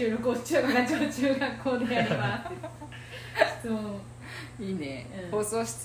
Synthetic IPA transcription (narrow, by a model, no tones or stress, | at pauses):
ɨːɾokoːt͡ɕɨːkaɾad͡ʑoːt͡ɕɨːɡakːo̞ːd̪eaɾeba | soː | iːneɯ̃hoːsoːɕi̥t͡s